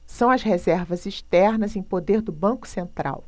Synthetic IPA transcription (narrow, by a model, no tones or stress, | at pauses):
sɐ̃w̃ɐshezɛɾvɐziʃt̪ɛɾnɐzẽj̃pod̪eɾd̪ʊbɐ̃kʊ̥sẽnt̪ɾa̰w